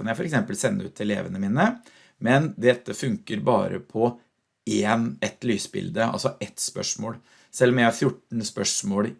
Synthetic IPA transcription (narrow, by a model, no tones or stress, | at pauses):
ɑnːjæɪfɔɾɛksɛmpəlsɛnːəʉ̰ːt̪ʰːɪllḛːʋənəmiːnə | mɛnd̪ɛt̪ːəfʉŋkəɾbɑ̰ːɾə̰pʰɔ | eːnɛt̪lyːsəbɪ̰ld̪əɑ̰lsɔʔɛt̪ːspœ̰ʂmo̰ːl | sɛlːɔmjæɪhɑɾfjʊʈːn̩spœʂmoːl